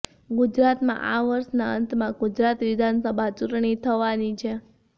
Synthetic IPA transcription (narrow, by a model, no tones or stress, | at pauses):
ɡud͡ʒɾat̪mã̰ʔaʋəɾʃnaənt̪mãɡud͡ʒɾat̪ʋid̪ʱansəbʱat͡ʃuʈɳ̃it̪ʰəʋanit͡ʃʰe